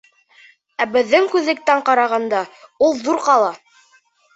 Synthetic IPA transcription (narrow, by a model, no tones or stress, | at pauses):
æbɘ̆ðːɘŋkʉðlɘ̆k̚t̪æɴqɑɾɑʁɑnd̪ɑulˠðuɾqɑlˠɑ